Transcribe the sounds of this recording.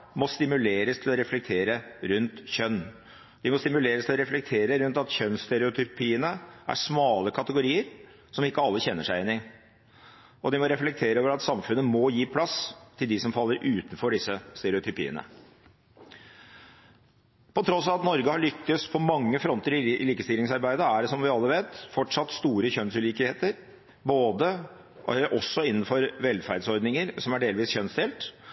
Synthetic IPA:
mɔst̪ɪmʉleːɾəst̪ʰɪlɔɾɛflɛk̚t̪ʰeːɾəɾʉnt̪çœnː | d̪ɪmɔst̪ɪmʉleːɾəst̪ʰɪlɔɾɛflɛk̚t̪ʰeːɾəɾʉnt̪ɑt̪çœnst̪ɛɾɛʊt̪ʰʏpʰiːənəʔæ̰ʂmɑːləkʰɑt̪əɡʊɾiːəɾ | sɔmɪkːəɑlːəçɛnːəʂæɪɛnːɪ | ɔd̪ɪmɔɾɛflɛkt̪ʰeːɾəoːʋəɾɑt̪sɑmfʉnːəmɔjiːpʰlɑst̪ʰɪld̪ɪsɔmfɑlːəɾʔʉːt̪n̩fɔɖɪsːəst̪ɛɾɛʊt̪ʰʏpḭːə̰nə̰ | pʰɔt̪ʰɾɔsɑt̪nɔɾɡəhɑɭʏkːəspʰɔmɑŋːəfɾɔnt̪əɾɪliːkəst̪ɪlɪŋsɑɾbæɪd̪əæɖɛsɔmʋɪɑlːəʋeːt̪fɔʈʂɑt̪st̪uːɾəçœnsʉliːkəheːt̪əɾ | boːd̪ə | ʔɔsːɔɪnːn̩fɔɾʋɛlːfæɾɖsɔɾd̪nɪŋəɾsɔmæɖeːlʋiːsçœnsd̪ɛːlt̪

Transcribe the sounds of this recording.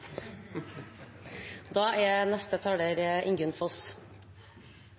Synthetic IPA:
d̪ɑːʔɛnɛst̪ət̪ʰɑːɽəɾʔɪŋɡʉnfɔs

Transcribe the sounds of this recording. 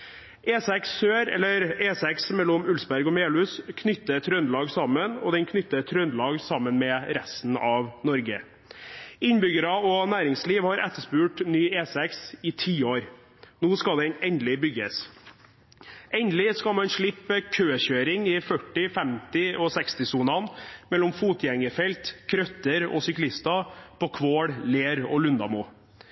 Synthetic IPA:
ʔeːsɛksːøːɾɛ̰lːəɾeːsɛksmɛlːɔmʉlsbæɾɡɔmeːlʉːskʰnʏt̪ːət̪ʰɾœnlɑːɡsɑmːənɔ̰d̪ɛnkʰnʏt̪ːət̪ʰɾœnlɑːɡsɑmːənmɛːɾɛst̪n̩ɑʋnɔɾɡə̰ | ɪnbʏɡəɾɑɔnæːɾɪŋsliːʋhɑɾʔɛ̰t̪ːəʂpʉːʈnyːeːsɛksɪt̪ʰiːoːɾ | nuːskɑd̪ɛnɛnd̪lɪbʏɡəs | ʔɛnd̪lɪskɑmɑnʂɭɪpːəkʰøːçøːɾɪŋɪfœʈːɪfɛmt̪ɪɔsɛkst̪ɪsuːnɑnmɛlːɔmfuːt̪jɛŋəfɛlt̪kʰɾœt̪ːəɾɔ̰sʏklɪst̪ɑpʰɔkʰʋoːɽleːɾɔ̰lʉnd̪ɑmuː

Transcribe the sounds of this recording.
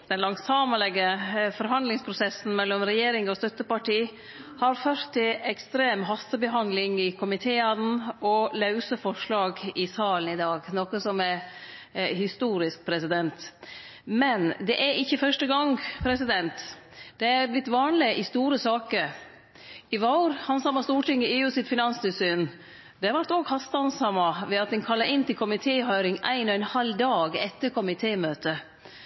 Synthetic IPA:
d̪̥ɛnlɑŋsɑməlɛɡːəfɔɾɦɑnd̪lɪŋspʰɾʊsɛsn̩mɛlːɔmɾɛjeːɾɪŋɔst̪œt̪ːəpɑʈiː | hɑɾføɾt̪ʰːɪlɛkst̪ɾeːmɦɑst̪əbəɦɑnd̪lɪŋɪkʰʊmɪt̪ʰeːɑnn̩ɔlɑʉsəfɔʂɭɑːɡɪsɑːln̩ɪd̪ɑːɡnoːkəsɔmæɾ | hɪst̪uːɾɪsk̚pʰɾɛsɪd̪ɛnt̪ | mɛnd̪ɛʔæɾɪçːəfœʂʈəɡɑŋpʰɾɛsɪd̪ɛnt̪d̪̥ɛæɾblɪt̪ːʋɑːnlɪʔɪst̪uːɾəsɑːkəɾ | ɪʋɑʊɾhɑnsɑmɑst̪uːʈɪŋːəeːʉːsɪt̪fɪnɑnst̪ʰɪlsyːn | d̪ɛhɑɾʋæɾʈt̪oːɡhɑst̪ɑnsɑmɑʋɛɑt̪̚d̪ɛnkʰɑlːɑʔɪnt̪ɪlkʰʊmɪt̪ʰeːhœʏɾɪŋæ̰ɪnɔɛnhɑld̪ɑːɡɛt̪ːəɾkʰɔmɪt̪ʰeːmøːt̪ə

